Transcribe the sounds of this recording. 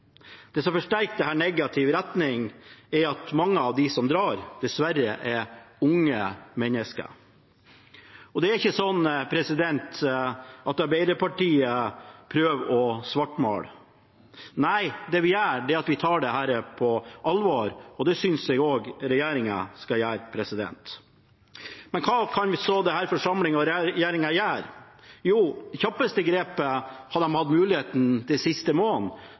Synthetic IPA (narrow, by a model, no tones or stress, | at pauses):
d̪̥ɛːsɔmfɔʂʈæɾktd̪ɛhæːɳɛɡɑt̪ʰɪʋɾɛt̪nɪŋɛɾɑt̪mɑŋːəɑʋd̪ɪsɔmd̪ɾɑːɾd̪̥ɛsʋæɾːəʔɛɾʊŋːəmɛnːəskə̰ | ɔd̪ɛæɾɪçːəsɔnːpʰɾɛsɪd̪ɛnt̪ | ʔɑt̪ɑɾbæɪd̪əpɑʈiːəpʰɾøːʋɔsʋɑʈːmo̰ːɽ | næɪd̪ɛʋɪjæːɖɛɑt̪ʋɪt̪ʰɑːɖɛhæːɾəpʰɔʔɑlʋɑːɾɔd̪ɛsʏnsɛɡoːɡɾɛjeːɾɪŋɑ̰skɑjæːɾpʰɾɛsɪd̪ɛ̰nt̪ | mɛnkʰɑːkʰɑnʋɪsoːd̪ɛhæːɾfɔʂɑmlɪŋɔɾɛjeːɾɪŋɑjæːɾjuːçɑpːəst̪əɡɾeːpəhɑd̪ɛmhɑd̪mʉːlɪheːt̪n̩d̪ɛsɪst̪əmoːn